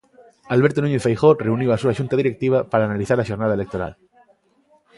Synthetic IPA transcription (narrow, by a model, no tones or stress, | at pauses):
alβeɾt̪onũɲeθfejxoreuniwasuaʃunt̪aðiɾek̚t̪iβ̞apaɾaːnaliθaɾaʃoɾnaðaelek̚t̪oɾa̰l